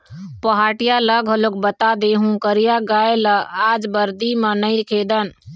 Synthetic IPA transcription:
pəɦaːʈijaləɡʱɦəlok̚bət̪ad̪eɦũkəɾijaɡaeləad͡ʒbəɾd̪imə̃nəĩɾkʰed̪ən

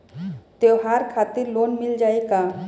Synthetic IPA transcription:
t̪ewɦaɾkʰat̪iɾlonmild͡ʒajka

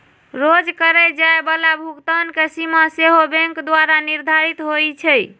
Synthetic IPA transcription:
ɾod͡ʒkəɾɛd͡ʒaebalabʱuɡt̪ankesimaseɦobeŋkd̪waɾaniɾd̪ʱaɾit̪ɦojt͡ʃʰɛj

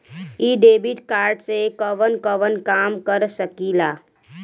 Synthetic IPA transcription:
iɖeːbiʈkaːɾɖsekəʋənkəʋənkaːmkəɾsəkilaː

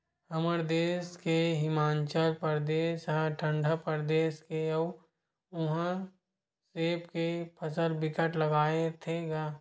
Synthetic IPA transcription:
ɐməɾd̪eːskeɦɪmaːnt͡ʃəlpəɾd̪eːsɦãʈʰə̃ɳɖʱəpəɾd̪eːskeə | ʊɦã | seːpkepʰəsəlbɪkəʈləɡaːet̪ʰeɡaː

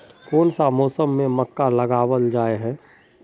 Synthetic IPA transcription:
kɔːnsamɔːsəmːẽməkːaləɡaːwəld͡ʒaːeɦɛ̃ː

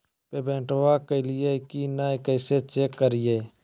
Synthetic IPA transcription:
peːbẽːɳʈʋaːkəɪlɪjeːkiːnaːkəːseːt͡ʃeːkːəɾɪjeː

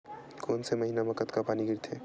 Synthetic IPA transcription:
konseməɦinaməkət̪kapaniɡʱiɾt̪ʰe

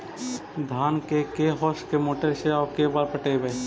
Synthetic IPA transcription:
d̪ʱaːnkekeɦɔːskemoːʈelʃeakebaːɾpəʈebe

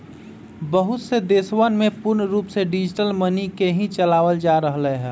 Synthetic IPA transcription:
bəɦʊt̪sed̪eːswənmẽpʊɾnɾuːpseɖɪd͡ʒʈəlmənikeɦĩt͡ʃəlaːʋəld͡ʒaɾəɦleɦɛ̃ː

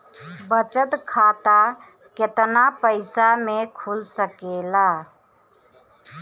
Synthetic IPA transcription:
bət͡ʃət̪kʰaːt̪a | ket̪napəɪsamekʰulsəkela

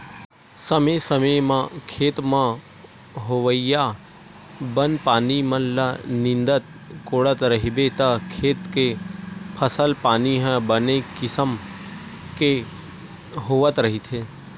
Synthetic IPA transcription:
səmesəməmãkʰeːt̪mã | ɦoʋəija | bənpaːnimənlanɪ̃nd̪ət̪̚ | koːɽət̪ɾəɦibet̪əkʰeːt̪kepʰəsəlpaːniɦɛ̃bənekɪsəm | ke | ɦoːʋət̪ɾəɦit̪ʰeː

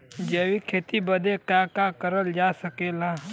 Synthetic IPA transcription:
d͡ʒeːwikʰeːt̪ibəd̪ekakakəɾəld͡ʒaːsəkeːlaː

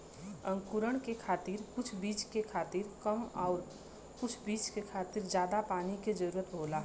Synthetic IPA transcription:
ə̃ŋkuɾəɳkekʰaːt̪iɾkʊt͡ʃʰbiːt͡ʃkekʰaːt̪iɾkəmɔːɾ | kʊt͡ʃʰbiːt͡ʃkekʰaːt̪iɾd͡ʒjaːd̪apaːniked͡ʒəɾuːɾət̪̚bʱoːla

